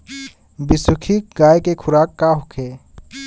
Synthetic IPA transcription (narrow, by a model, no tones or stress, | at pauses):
bɪsʊkʰik̚ɡaːjkekʰʊɾaːkːaɦʊkʰeː